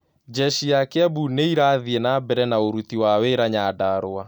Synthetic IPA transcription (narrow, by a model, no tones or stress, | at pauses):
d͡ʒɛʃiakeabuneiɾaðiɛnabɛɾɛnaoɾut̪iwaweɾaɲaːdaɾoa